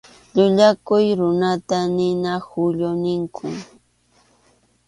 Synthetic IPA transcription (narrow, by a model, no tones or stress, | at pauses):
ʎʊʎakʊjɾʊnat̪anɪnahʊʎʊnɪŋkʰʊ